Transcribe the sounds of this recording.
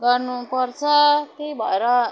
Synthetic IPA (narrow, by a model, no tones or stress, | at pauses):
ɡʌrnupʌrt͡sʰʌkejbʱʌeɾʌ